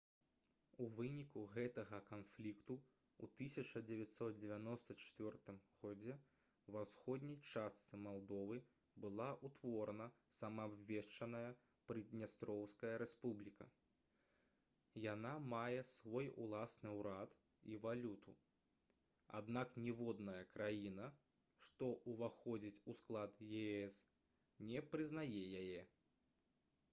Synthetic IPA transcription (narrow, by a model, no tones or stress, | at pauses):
uvɨnʲikuɣɛt̪ɐɣɐkanflʲikt̪u | ṵt̪ɨsʲɐt͡ʂɐd͡zʲɛvʲat̪ʲsɔt̪̚d͡zʲɛvʲanɔst̪ɐt͡ʂt͡sʲvʲɔrt̪ɨmɣɔd͡zʲɛ | vawsxɔd̪ʲnʲɐjt͡ʂast̪sɨmalˠd̪ɔvɨ | bɨlˠaʔut̪vɔɾnɐ | sɐmɐːbvʲɛʂt͡ʂɐnɐjɐ | pɾɨd̪ʲnʲast̪ɾɔwskɐjɐɾɛspublʲikɐ̰ | janamajɛsvɔjṵlˠasnɨwɾat̪ | ivalʲut̪u | a̰d̪naknʲɛvɔd̪nɐjɐkɾajinɐ | ʂt̪ɔʔuvaxɔd͡zʲit͡sʲusklˠat̪jɛɛs | nʲɛpɾɨznajɛjajɛ